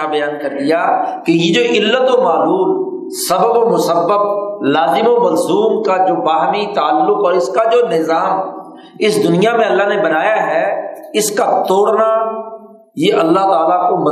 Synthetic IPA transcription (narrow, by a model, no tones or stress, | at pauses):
abəjaːnkəɾd̪ɪjaːkejed͡ʒoːʔɪlːət̪omaːluːl | səbəbomʊsəbːəp̚laːzɪmoməlzuːmkad͡ʒoːbaːɦmit̪aːəlːʊkɔːɾɪskad͡ʒoːnɪzaːm | ɪsd̪ʊnɪjamẽɐlːaːnebənaːjaɦɛɪskat̪oːɽna | jeːʔɐlːaɦt̪aːlakomə